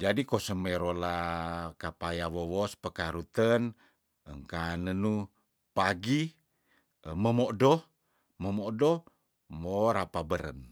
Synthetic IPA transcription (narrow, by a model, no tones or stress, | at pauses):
d͡ʒadikosəməɾolakapajawowɔspəkaɾut̪ən | əŋkanənu | paɡi | məmodɔh | məmodɔ | moɾapabəɾə̰n